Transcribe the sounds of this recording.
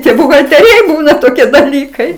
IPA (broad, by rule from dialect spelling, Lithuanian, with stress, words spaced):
tʲiɛ bʊɣɐtʲɛlʲˈrʲɛɪ ˈbuːnɐ toːˈkʲiɛ dɐˈlʲiːkɐɪ